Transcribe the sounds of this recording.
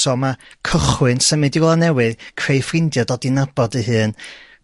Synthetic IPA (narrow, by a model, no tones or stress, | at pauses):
sɔmakʰəχwɨnsəmɨdiwlˠanɛwɨðkʰrejfrɪndjɔdɔdinab̥ɔdəɦɨːn